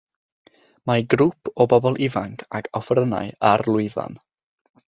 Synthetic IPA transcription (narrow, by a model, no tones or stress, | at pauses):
maɡrʊpʰɔbɔbɔlˠʔɪvaŋkʰaɡɔfrəna̰jarlˠʊɨva̰n